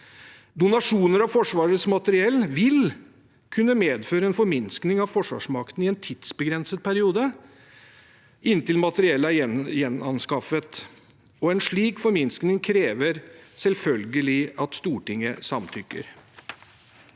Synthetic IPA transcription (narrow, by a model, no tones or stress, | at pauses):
d̪ʊnɑʂuːnəɾɑʋfɔʂʋɑːɾəsmɑt̪əɾɪɛlːʋɪl | kʰʉnːəmeːd̪føːɾəɛnfɔɾmɪnsknɪŋɑʋfɔʂʋɑ̰ːʂmɑkt̪n̩ɪɛnt̪ʰɪd̪̥sbəɡɾɛnsət̪̚pʰæɾɪuːd̪ə | ɪnt̪ɪlmɑt̪əɾɪɛlːəæɾjɛnɑnskɑfət̪ | ɔɛnʂɭiːkfɔɾmɪnsknɪŋkʰɾeːʋəɾsɛlfœlɡəlɪɑt̪st̪uːʈɪŋːə̰sɑmt̪ʰʏkːə̰ɾ